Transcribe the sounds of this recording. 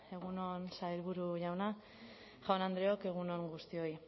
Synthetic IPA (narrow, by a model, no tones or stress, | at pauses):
e̞ɣ̞uno̞nsajɾβuɾuʝawna | ʝawnand̪ɾe̞oke̞ɣ̞uno̞ŋɡust̪io̞i